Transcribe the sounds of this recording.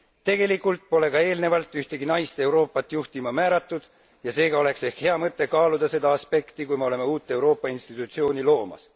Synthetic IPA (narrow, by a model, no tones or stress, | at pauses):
t̪e̞ɡ̥e̞likːˑult̪̚po̞le̞kɑe̞ːlne̞vɑlt̪ːˑyht̪e̞ɡinɑjst̪e̞wɾo̞ːpːˑɑt̪ːˑjuht̪imɑmæːɾɑt̪ːˑud̪̥ | jɑse̞ːɡ̥ɑo̞le̞kse̞hkhe̞ɑmɤt̪ːˑe̞kɑːlud̪̥ɑse̞d̪ɑɑspe̞kt̪ikujmeo̞le̞me̞uːt̪ːˑe̞uwɾo̞ːpːˑɑinst̪it̪ːˑut̪sio̞ːnilo̞ːmɑ̰s